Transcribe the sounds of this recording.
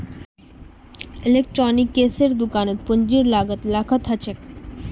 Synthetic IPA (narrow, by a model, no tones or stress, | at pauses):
elek̚ʈɾɔnikːeseɾd̪ukanet̪̚pond͡ʑiɾlaɡət̪lakʰat̪ʰat͡ɕʰek